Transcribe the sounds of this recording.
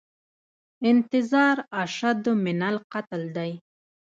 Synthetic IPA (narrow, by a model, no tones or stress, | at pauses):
ɪnt̪ɪzɑːɾaʃad̪ʊmɪnalqat̪ld̪aj